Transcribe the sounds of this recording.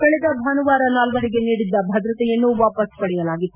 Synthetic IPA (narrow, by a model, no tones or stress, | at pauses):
kɐɭɛd̪ɐbʱɐnuʋaːɾɐnaːlʋɐɾiɡe̞niːɽid̪ːɐbʱɐd̪ɾɐt̪ɛjɐnːuʋaːpɐspɐɽɛjɐlaːɡi